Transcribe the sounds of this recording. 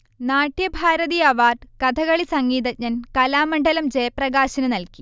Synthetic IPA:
naːʈːjɐbʱaːɾɐðiɐʋaːrɖkɐd̪ʰʱɐɣɐɭisɐŋɡiːðɐt̚ɲɐnkɐlaːmɐɳɖɐlɐmd͡ʑejɐprɐɣaːɕɐnɨnɐlki

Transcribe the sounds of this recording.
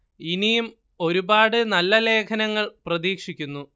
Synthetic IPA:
inijum | o̞ɾubaːɽɨnɐlːɐle̞ːkʰɐnɐŋːɐɭprɐðiːkʂikʲːunːu

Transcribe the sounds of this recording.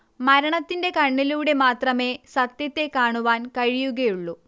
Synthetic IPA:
mɐɾɐɳɐt̪ːinde̞kɐɳːiluːɽe̞maːt̪rɐmeːsɐt̪jɐt̪ːe̞kːaːɳuʋaːnkɐɻijuɣɐjuɭːu

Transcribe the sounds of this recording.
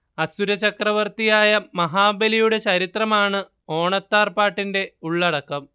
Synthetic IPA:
ɐsuɾɐt͡ɕɐkrɐʋɐrt̪ijaːjɐmɐɦaːbɐlijuɽe̞t͡ɕɐɾit̪rɐmaːɳɨ | o̞ːɳɐt̪ːaːrpaːʈːinde̞uɭːɐɽɐkːɐm

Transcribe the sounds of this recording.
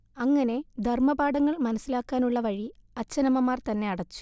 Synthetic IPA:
ɐŋːɐne̞d̪ʱɐrmɐbaːɽɐŋːɐɭmɐnɐsːilaːkːaːnuɭːɐʋɐɻiɐt͡ɕːɐnɐmɐmaːrt̪ɐnːe̞ɐɽɐt͡ɕːu̥

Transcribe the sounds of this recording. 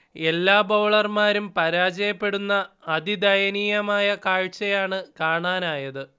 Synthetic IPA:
e̞lːaːboːɭɐrmaːɾumpɐɾaːd͡ʑɐjɐpːe̞ɽunːɐːd̪id̪ɐjɐniːjɐmaːjɐkaːɻt͡ɕːɐjaːɳɨkaːɳaːnaːjɐðɨ

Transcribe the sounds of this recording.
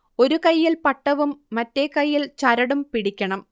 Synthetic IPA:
o̞ɾukɐjːilpɐʈːɐʋumːɐtːekɐjːilt͡ɕɐɾɐɽumpiɽikʲːɐɳɐm

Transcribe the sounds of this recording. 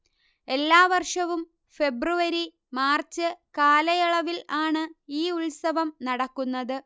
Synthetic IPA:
e̞lːaːʋɐrʂɐʋum | fe̞bruʋɐɾi | maːrt͡ɕːɨkaːlɐjiɭɐʋilaːɳɨiːuɭsɐʋɐmnɐɽɐkːunːɐðɨ

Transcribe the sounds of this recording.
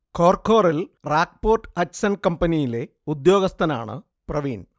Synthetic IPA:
kʰoːrkʰo̞ːrilraːk̚poːrʈhɐtsɐnkɐmpɐnijile̞ | ud̪jo̞ːɡɐst̪ʰɐna̰ːɳɨ̰ | prɐʋiːn

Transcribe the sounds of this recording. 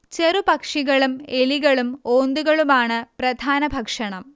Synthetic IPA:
t͡ɕe̞rupɐkʂiɣɐɭumeliɣɐɭumo̞ːnd̪uɣɐɭumaːɳɨprɐd̪ʱaːnɐbʱɐkʂɐɳɐm

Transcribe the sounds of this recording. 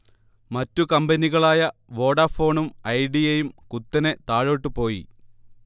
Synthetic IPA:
mɐtːukɐmbɐniɣɐɭaːjɐʋo̞ːɽɐfo̞ːɳumɐjɖijejumkut̪ːɐne̞t̪aːɻo̞ːʈːɨpo̞ːjḭ

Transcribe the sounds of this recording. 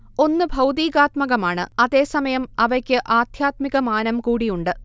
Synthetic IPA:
o̞nːɨbʱɐwd̪iːɣaːt̪mɐɣɐmaːɳɨɐðe̞ːsɐmɐjɐmɐʋɐkʲːɨʔaːd̪ʱjaːt̪miɣɐmaːnɐmkuːɽijuɳɖɨ

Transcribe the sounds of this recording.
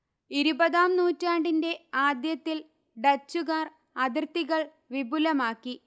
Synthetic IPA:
iɾubɐðaːmnuːtːaːɳɖinde̞aːd̪jɐt̪ːil | ɖɐt͡ɕːuɣaːr | ɐðirt̪iɣɐɭ | ʋibulɐmaːkːi

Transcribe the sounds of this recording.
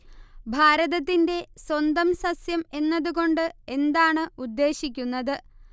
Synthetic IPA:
bʱaːɾɐðɐt̪̬ːinde̞swɐnd̪ɐmsɐsjɐme̞nːɐðuɣo̞ɳɖɨe̞nd̪aːɳɨud̪ːe̞ːɕikʲːunːɐðɨ

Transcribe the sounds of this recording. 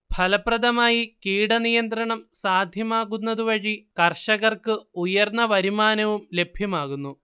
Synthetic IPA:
b̥ʱɐlɐprɐðɐmaːjikiːɽɐnijɐnt̪ɾɐɳɐmsaːd̪ʱjɐmaːɣunːɐðuʋɐɻikɐrʂɐɣɐrkɨujɐrnːɐʋɐɾimaːnɐʋumle̞bʱjɐmaːɣunːu

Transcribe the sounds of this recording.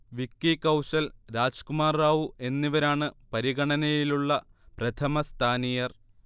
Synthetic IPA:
ʋikːikɐwɕɐlɾaːd͡ʑkumaːrːaːʋuʔe̞nːiʋɐɾaːɳɨpɐɾiɣɐɳɐnɐjiluɭːɐprɐt̪ʰɐmɐst̪ʰaːnijɐr

